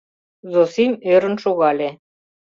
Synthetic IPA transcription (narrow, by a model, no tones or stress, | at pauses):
zosimøɾə̆nʃuɣɑlʲe